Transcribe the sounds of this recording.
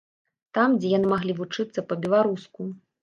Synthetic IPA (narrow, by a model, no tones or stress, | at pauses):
t̪amd͡zʲɛjanɨmaɣlʲivut͡ʂɨt̪sːɐpɐbʲɛlˠaɾusku